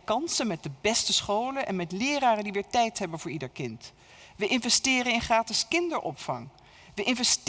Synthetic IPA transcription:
kɑnsənmɛt̚dəbɛstəsχowlənʔɛ̰nmɛtlɪːraːrəndiʋɪːɹtɛjtɦɛbənvʊːɹidəɹkɪnt | ʋəʔɪnvɛstɪːrənɪnχraːtəskɪndəɹʔɔ̰pfɑ̰ŋ | ʋəʔɪnvɛst

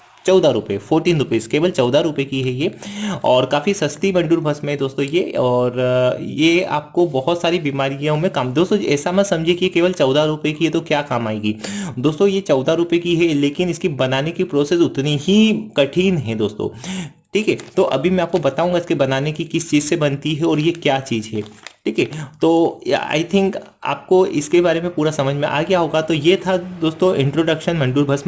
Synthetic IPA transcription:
t͡ʃɔːd̪aɾʊpefʰoːɾʈiːnɾʊpeskeːʋəlt͡ʃɔːd̪ʱaɾʊpekiɦɛjeɔːɾkaːfisɐst̪ibɐ̃ɳɖuːɾbʱɐsmẽɦd̪oːst̪õjeɔːɾjea̰ːp̚kobɔɦʊt̪saːɾibiːmaːɾijãmẽkaːmd̪oːst̪õɛːsamɐd̪sɐ̃md͡ʒʱiekijekeːʋəlt͡ʃɔːd̪ʱaɾʊpekijet̪okjaːkaːmaːeːɡiːd̪oːst̪õjet͡ʃɔːd̪ʱaɾʊpekiɦɛleːkɪnɪskibɐnaːnekipɾoːsesʊt̪niɦikɐʈʰiːnɦɛ̃d̪oːst̪õ̰ː | ʈʰiːkɦɛt̪oʔɐ̰bʱimɛ̃aːp̚kobɐt̪aːũŋɡaɪskebɐnaːnekikɪst͡ʃiːzsebɐnt̪iɦɛɔːɾjekjaːt͡ʃiːzɦɛʈʰiːkɦɛt̪oːa̰ːɪt̪ʰɪ̃ŋk | a̰ːp̚koɪskebaːɾemẽpuːɾasɐməd͡ʒʱmẽʔa̰ːɡɛjaɦoːɡat̪ojet̪ʰad̪oːst̪õɪ̃ɳʈɾoːɖɐkʃənmɐ̃ɳɖuːɾbʱɐsm

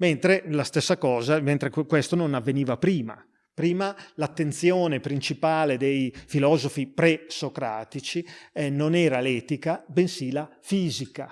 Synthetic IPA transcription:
ment̪ɾelast̪ɛsːakɔːzament̪ɾekwɛst̪ononavːeniːvapɾiːma̰ | pɾiːmalat̪ːent̪sjɔːnepɾint͡ʃipaːled̪ejfilɔːzofipɾɛsokɾa̰ːt̪it͡ʃiɛnonɛːɾalɛːt̪ikabensilafiːzika̰

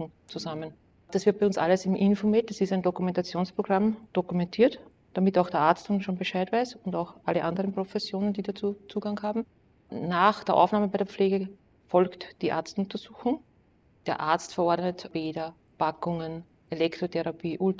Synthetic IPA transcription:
ŋ | t͡suzamən | d̥asv̥ɪɐt̚pɛɪʊnsʔa̰ləsɪmʔɪnfomɪt̚d̥asɪstæɪndokʊmɛntat͡sjoːnspʁ̥oɡ̥ʁamd̥okʊmɛ̃ntʰiːɐt | d̥amɪtaʊxd̥eːɐʔaɐt͡sstʊnʃoːnbəʃæɪtvæɪsʊndaʊxʔaləʔandəʁənpʁ̥ofɛsjoːnənd̥iːdat͡suːt͡suːɡ̥aŋhaːbm̩ | naːxd̥eːɐʔa̰ʊfnaːməbæɛɪdeɐp͡fleːɡə | fɔlktd̥iːʔa̰ɐt͡stnʊ̃ntɐzuːxʊŋ | d̥eːɐʔa̰ɐtt͡stfɐɔɐdnətb̥eːdɐ | pakʊŋən | ʔelɛktʁ̥otʰɛʁapʰiːʔʊt

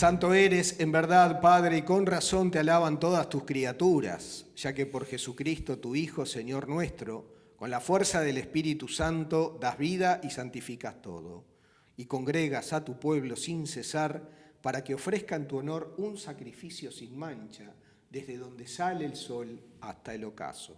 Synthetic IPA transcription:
sant̪o̞eɾesembeɾðaðpaðɾeiko̞nraso̞nt̪ealaβant̪o̞ð̞ast̪uskɾiat̪uɾa̰sʒ̥akepo̞ɾxe̞sukɾist̪o̞t̪uixo̞se̞njo̞ɾnwe̞st̪ɾo̞ | ko̞nlafwɛɾsaðe̞lespiɾit̪usant̪o̞ðazβiðaʔisant̪ifikast̪o̞̰ð̞o̰ | iko̞ŋɡɾeɣasat̪upweβ̞lo̞sinsesaɾpaɾakeo̞fɾehkaent̪uono̞ɾunsakɾifisjo̞sinmãnt͡ʃa | ðezðeðo̞nd̪esaleːlso̞last̪aelo̞ka̰so

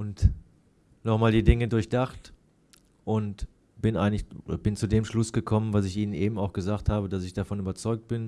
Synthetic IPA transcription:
ʔʊnt | nɔχmaːldiːdɪŋədʊɐçd̥aχt | ʔʊnt | b̥ɪnʔaɪɡənɪçodɐbɪnt͡sudeːmʃlʊsɡ̥əkʰɔmənvasɪçʔiːnənʔeːbm̩aʊxɡ̥əzaːkthaːbədasɪçd̥afɔnyːbɐt͡sɔʏk̚t̚b̥ɪn

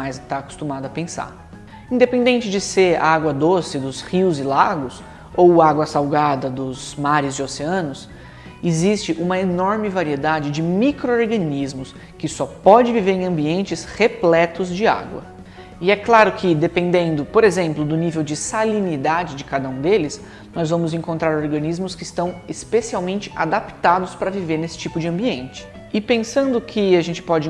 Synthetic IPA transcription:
ajzt̪aːkʊ̥st̪umad̪ʊɐpẽsa̰ɾ | ĩd̪epẽnd̪ẽnt͡ʃɪd͡ʒɪseɾa̰aɡwɐd̪osɪd̪ʊshiwzɪlaɡʊs | owaɡwɐsawɡad̪ɐd̪ʊzmaɾɪzd͡ʒɪoseɐ̃nʊs | ɪzist͡ʃɪʔũmɐenɔɾmɪvaɾied̪ad͡ʒɪd͡ʒɪmikɾooɾɡɐnizmʊs | kɪsɔpɔd͡ʒɪviveɾẽj̃ɐ̃mbiẽnt͡ʃɪsheplɛt̪ʊzd͡ʒɪa̰ɡwɐ̰ | ɪɛklaɾʊkʰɪd̪epẽnd̪ẽnd̪ʊpoɾezẽmplʊd̪ʊnivewd͡ʒɪsalinid̪ad͡ʒɪd͡ʒɪkad̪ɐũd̪elɪs | nɔzvɐ̃mʊzẽŋkõnt̪ɾaɾoɾɡɐ̃nizmʊskɪːst̪ɐ̃w̃ɪspesiawmẽnt͡ʃɪ̥ʔad̪apt̪ad̪ʊspɾɐviveɾnesɪ̥t͡ʃipʊd͡ʒɪɐ̃mbiẽnt͡ʃɪ̥ | ɪpẽsɐ̃nd̪ʊkʰɪaʒẽnt͡ʃɪ̥pɔd͡ʒɪ

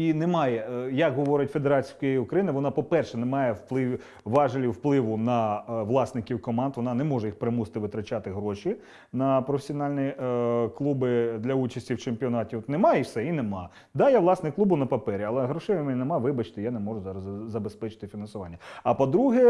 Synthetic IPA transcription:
inɛmɑjɛjɐkɦɔʋɔɾɪtʲfed̪eɾɑt͡sʲikjjiʊkɾɐjinɪʋɔnɑpɔpɛrʃɛnɛmɑjɛwplˠɪ | ʋɑʒɐlʲiwplˠɪʋʊnɐʋlˠɑsnɪkʲiwkɔmɑnd̪ʋɔnɑnɛmɔʒɛjixpɾɪmusɪ̥t̪ɪʋɪt̪ɾɐt͡ʃɑt̪ɪɦɾɔʃi | nɐpɾɔfesʲiɔnɑlʲnʲiklˠubɪd̪lʲɐut͡ʃɐsʲtʲiwt͡ʃempʲiɔnɑtʲiɔt̪nɛmɑjisɛinemɑ | d̪ɑjaʋlˠɑsnɪklˠubʊnɐpɐpɛɾʲiɐlˠɛɦɾɔʃɛmɛnʲinemɑʋɪbɐt͡ʃɪ̥t̪ɪjanɛmɔʒʊzɑɾɐzzɐbespɛt͡ʃɪ̥t̪ɪfʲinɐnsʊʋɑnʲːɐɐpɔd̪ɾuɦɛ

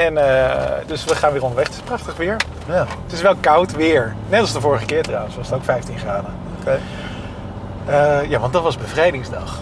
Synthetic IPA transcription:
ɛnədɵsʋəχaːnʋɪːrɔndəɹʋɛχətɪ̥sprɑχtəχʋɪːɹ | jaətɪsʋɛlˠkɑwtʋɪːɹnɛtɑlˠsdəvʊːɹəχəkɪːɹtrawənsʋɑsətowkfɛjftinχraːdə | oke | əjaːʋɑndɑtʋɑzbəvrejdɪŋzdɑ̰χ

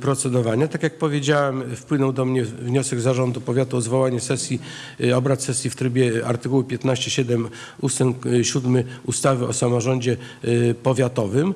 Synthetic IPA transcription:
pɾɔt̪sɛd̪ɔvaɲat̪akʲjak̚pɔvʲjed͡ʑawɛmfpwɘnɔwd̪ɔmɲɛvɲɔsɛɡzaʐɔnd̪upɔvʲjat̪uɔzvɔwaɲɛsɛsʲji | ɔbɾat̪sɛsʲjift̪ɾɘbʲjɛa̰ɾt̪ɘkuwɘpʲjɛt̪naɕt͡ɕɛɕɛd̪ɛm | ust̪ɛŋɕud̪mɘust̪avɘʔɔsamɔʐɔɲd͡ʑɛ | pɔvʲjat̪ɔvɘm

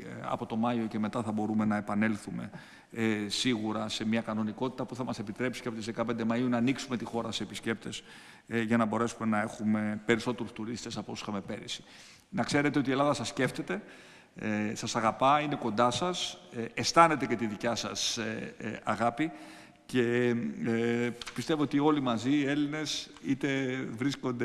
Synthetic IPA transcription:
ɐ̰po̞t̪o̞mɐio̞ce̞me̞t̪ɐθɐbo̞ɾume̞nɐe̞pɐne̞lθume̞̰ | siɣuɾɐse̞mɲɐkɐno̞niko̞t̪i̥t̪ɐpuθɐmɐse̞pit̪ɾe̞psi̥ceɐpo̞t̪izðekɐpe̞nd̪emɐiunɐːniksume̞t̪ixo̞ɾɐseepisce̞p̚t̪e̞s | ʝɐnɐbo̞ɾe̞sume̞nɐe̞xume̞pe̞ɾiso̞t̪eɾust̪uɾist̪e̞sɐpoosi̥xɐme̞pe̞ɾisi̥ | nɐkse̞ɾe̞t̪eot̪ie̞lɐðɐsɐsce̞ft̪e̞t̪e̞ | sɐsɐɣɐpɐine̞ko̞nd̪ɐsɐsest̪ɐne̞t̪e̞ce̞t̪iðicɐsɐ̰s | ɐɣɐpi | ce̞ | pist̪e̞voo̞t̪io̞limɐzie̞line̞sit̪e̞vɾisko̞nd̪e

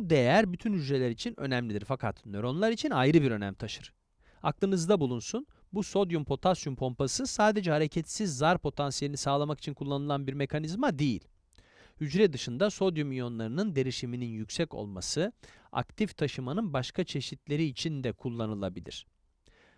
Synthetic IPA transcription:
bd̪ejæɾbyt̪ʰynhyd͡ʒɾe̞lʲæɾit͡ʃʰinø̞̰næmlid̪iɾfakʰat̪nø̞ɾo̞nlˠaɾit͡ʃʰinajɾɯbiɾø̞næ̰mt̪ʰaʃɯɾ̥ | aklˠɯnɯzd̪abulˠunsun | buso̞d̪jumpʰo̞t̪ʰasjumpʰo̞mpasɯsaːd̪e̞d͡ʒɛhaɾe̞cʰɛt̪sizːaɾpʰo̞t̪ʰansije̞lʲinisaːlˠamaki̥t͡ʃʰinkʰulˠːanɯlˠanbiɾme̞kʰanizmad̪ejḭlʲ | hyd͡ʒɾɛd̪ɯʃɯnd̪aso̞d̪jumijo̞nlˠaɾɯnɯnd̪e̞ɾiʃimininjycsɛco̞̰lˠma̰sɯ | a̰kt̪ʰift̪ʰaʃɯmanɯnbaʃkʰat͡ʃʰe̞ʃit̪ʰlʲe̞ɾiːt͡ʃʰind̪ɛkʰulˠːanɯlˠabilʲḭɾ̝̥

